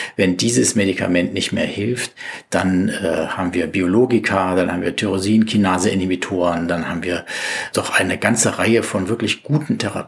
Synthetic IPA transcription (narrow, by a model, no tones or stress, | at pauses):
vɛndiːzəsmedikʰa̰mɛntnɪçtmeːɐhɪlftd̥anɛːhaːbm̩viːɐbioloːɡɪkʰad̥anhaːbm̩viːɐtʰyʁoziːn̩kʰinaːzəʔɪnimitʰoːʁəndanhaːbm̩viːɐd̥ɔχʔaɪnəɡant͡səʁaɪəfɔnvɪɐklɪçɡ̥uːtn̩tʰɛʁa̰